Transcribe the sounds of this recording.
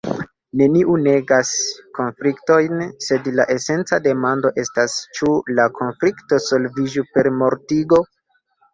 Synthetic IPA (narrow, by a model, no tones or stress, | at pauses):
ne̞niʔune̞ɡasko̞nflikto̞jnse̞dlaʔe̞se̞nt͡sade̞mando̞ʔe̞stast͡ʃulakʰo̞nflikto̞so̞lvid͡ʒupe̞ɾmo̞ɾtiɡo̞